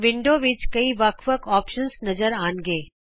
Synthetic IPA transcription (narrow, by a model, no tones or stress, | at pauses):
ʋɪ̃ɳɖoːʋɪt͡ʃkɐiʋɐkʰʋəkʰɔːpʃənsnɐzəɾaːnɡeː